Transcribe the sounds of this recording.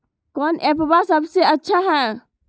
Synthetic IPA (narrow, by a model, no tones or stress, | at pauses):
kɔnepbasəbʱseətːʃʰaɦɛ̃